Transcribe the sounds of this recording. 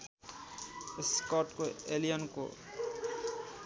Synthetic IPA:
skɔʈkoelijʌnko̰

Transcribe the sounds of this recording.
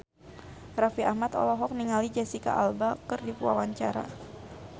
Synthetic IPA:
rafiʔahmat̪ɔ̰lɔɦɔk̚niŋalid͡ʒasika̰ʔalbakɨrdipua̰waɲt͡ʃaɾa̰

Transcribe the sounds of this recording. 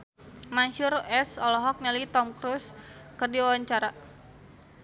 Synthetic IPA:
manʃʊrɛsɔlɔɦɔk̚nɛlit̪ɔmkɾuskərdiwawaɲt͡ʃaɾa

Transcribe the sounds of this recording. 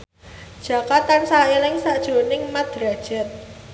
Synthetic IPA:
d̥ʒ̥ä̤kat̪ansaelɪŋsaʔd̥ʒ̥o̤nɪŋmad̪̥ɾad̥ʒ̥ɛt̪̚

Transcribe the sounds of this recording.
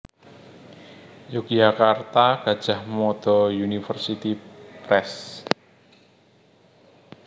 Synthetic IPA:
juk̚ʒakart̪aɡ̥a̤d̥ʒ̥ahmɔd̪̥ɔjunifərsit̪ipɾɛs

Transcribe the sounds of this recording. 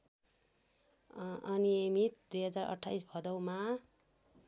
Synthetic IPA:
ʌnijemit̪̚d̪ujɦʌd͡zarʌ̰ʈʰːajsbʱʌd̪ʌwma

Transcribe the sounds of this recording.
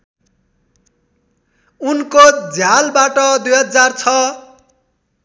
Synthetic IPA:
unkod͡zʱjalbaʈʌd̪ujɦʌd͡zart͡sʰʌ

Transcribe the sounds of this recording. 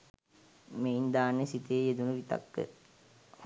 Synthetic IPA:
meind̪aːnːesit̪ijeed̪unəʋit̪a̰kːə̰

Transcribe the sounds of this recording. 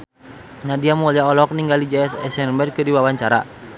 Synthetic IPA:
nadiamuliaɔlɔk̚niŋɡalid͡ʒɛɛsɛsɛrbɛrkɨrdiwawaɲt͡ʃaɾa̰

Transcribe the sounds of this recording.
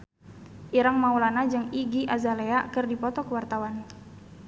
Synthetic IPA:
ʔiɾaŋmaulanad͡ʒɨŋiɡiʔazaleakərdipɔt̪ɔkəwart̪awan

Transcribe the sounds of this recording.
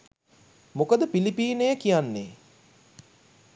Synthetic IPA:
mokəd̪əpilipiːnejəkijanːe

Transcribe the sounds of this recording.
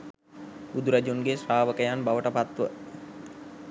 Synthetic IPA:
bud̪uɾad͡ʒunɡesraːʋəkəjanbaʋəʈəpat̪ʋə

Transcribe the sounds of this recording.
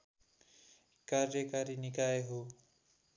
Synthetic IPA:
kaɾjʌkaɾinikaeɦo

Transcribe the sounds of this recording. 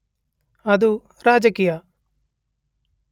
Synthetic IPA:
ɐd̪u | ɾaːd͡ʒɐkiːja

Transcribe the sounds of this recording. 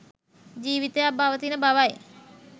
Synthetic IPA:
d͡ʒiːʋit̪ejabaʋət̪inəbaʋaj

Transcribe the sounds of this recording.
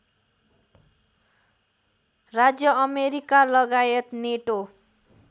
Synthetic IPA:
rad͡zjʌʌmeɾikalʌɡajʌt̪neʈo

